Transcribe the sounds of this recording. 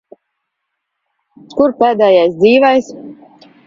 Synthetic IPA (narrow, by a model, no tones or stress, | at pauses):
kuɾpɛːd̪ɛːjajsd̪ziːvajs